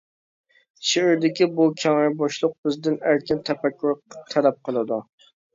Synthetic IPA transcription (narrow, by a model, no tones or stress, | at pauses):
ʃɪɪɾd̪ɪkʲɪbukʲʰæŋɪɾbɑʃlˠʊq̚bɪzd̪ɪnæɾkʲɪnt̪ʰæpʰækʲʰːuɾt̪ʰælæp̚qʰɨlˠɨd̪ʊ